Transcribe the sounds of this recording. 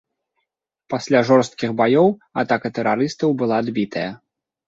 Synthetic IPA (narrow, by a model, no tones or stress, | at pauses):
pasʲlʲaʐɔrst̪kʲiɣbajɔwat̪akɐt̪ɛɾaɾɨst̪ɐwbɨlˠad̪bʲit̪ʰɐjɐ